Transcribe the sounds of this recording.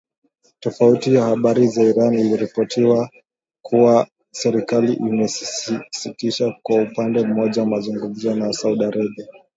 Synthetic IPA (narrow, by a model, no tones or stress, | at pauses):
tɔfautijahaɓaɾizaiɾaniliɾipɔtʰiwa | kuwa | sɛɾikaliʔimɛssitiʃakwaupandɛm̩mɔʄawamazuŋɡum̩zɔnasauɗaɾɛɓia